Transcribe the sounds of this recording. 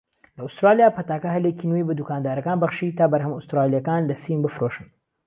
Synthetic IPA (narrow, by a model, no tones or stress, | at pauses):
lɐust̪ɾaːlijaːpʰɐt̪aːkɐɦɐlecinujbɐd̪ukaːnd̪aːɾɐkaːnbɐχʃit̪ʰaːbɐɾɦɐmust̪ɾaːlijɐkaːnlɐsimbɨfɾoʃɨn